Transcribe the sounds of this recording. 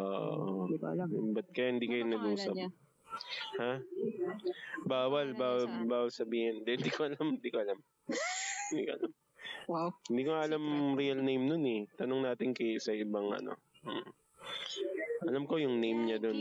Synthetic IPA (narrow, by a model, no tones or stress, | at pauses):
ʔoːʔʔo | bɐt̪̚kɐjahɪnd̪iːkɐjonɐɡʔuːsɐp̚ | ha | baːwɐlbaːwɐlbaːwɐlsɐbiːhɪnd̪ɛɪnd̪iːkoʔɐlamhɪnd̪iːkoʔɐlam | hɪnd̪ḭːkoʔɐ̰lam | hɪnd̪iːkoŋaʔɐlamɾiɐlnejmnonɛt̪ɐnoŋnaːt̪ɪnkɐsɐʔɪbaŋʔɐ̰no̞̰ | ʔɐlamko̞jʊŋnejmɲɐd̪o̞n